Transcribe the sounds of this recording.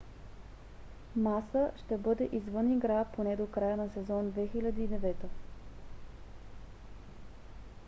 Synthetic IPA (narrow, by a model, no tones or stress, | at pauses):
masəʃt̪ɛbɤd̪ɛʔizvɤniɡɾaponɛd̪okɾajənɐsɛzɔnd̪vɛxilʲɐd̪iːd̪ɛvɛt̪o